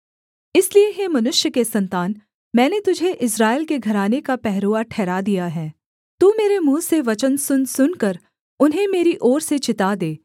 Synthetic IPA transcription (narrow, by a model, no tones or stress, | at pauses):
ɪslieɦeːmɐnʊʃjəkesɐ̃nt̪aːn | mɛ̃ːnet̪ʊd͡ʒʱeʔɪsɾaːɪlkeɡʱɐɾaːnekapɛɦɾoːaʈʰɛːɾad̪ijaɦɛ̃ː | t̪uːmeːɾemũːseʋɐt͡ʃənsʊnsʊnkɐɾ | ʊnɦẽmeːɾiʔɔːɾset͡ʃɪt̪ad̪eː